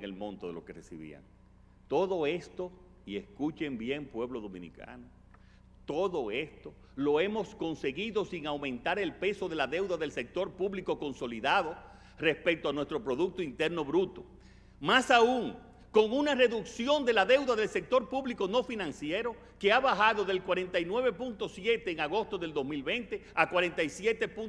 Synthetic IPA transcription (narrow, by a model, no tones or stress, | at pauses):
ŋelmõ̞nt̪oðelo̞ke̞resḭβḭa̰ŋ | t̪o̞ðo̞e̞st̪o̞ | ieskut͡ʃe̞mbje̞mpwe̞βlo̞ðo̞mḭ̃nḭka̰no | t̪o̞ðo̞e̞st̪o̞ | lo̞e̞mo̞sko̞nse̞ɣiðo̞siŋawmẽ̞nt̪aɾe̞lpe̞so̞ðe̞laðe̞wðaðe̞lsek̚t̪o̞ɾpuβliko̞ko̞nso̞liðaðo̞ | re̞spek̚t̪oanwest̪ɾo̞pɾo̞ðuk̚t̪oint̪e̞ɾno̞βɾut̪o̞̥ | masauuŋ | ko̞ŋunare̞ðuksjo̞nd̪e̞laðe̞wðaðe̞lse̞k̚t̪o̞ɾpuβlikono̞finãŋsjeɾo̞ | ke̞aβahaðo̞ðe̞lkwaɾe̞nt̪ajnwe̞β̞e̞punt̪o̞sje̞t̪e̞ːŋaɣo̞st̪o̞ðe̞ld̪o̞smilβe̞nt̪e̞ | akwaɾe̞nt̪ajsje̞t̪e̞pu